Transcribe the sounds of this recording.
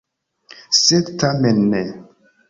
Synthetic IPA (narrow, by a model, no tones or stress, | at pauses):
sɛdtʰamenːɛ